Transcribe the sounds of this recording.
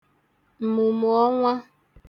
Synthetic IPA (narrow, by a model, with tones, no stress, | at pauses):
m̩˨mu˨mʊ˨ɔ˦ŋʷa˦